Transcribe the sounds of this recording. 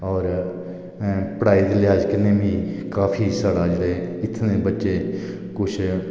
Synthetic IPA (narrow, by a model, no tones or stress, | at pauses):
ɔːɾ | pəɽaːiːd̪elɪaːd͡ʒkəneːbʱĩːkaːpʰiːsaːɽaːd͡ʒeːɽeːɪt̪ʰnẽːbətːʃeː | kʊt͡ʃʰ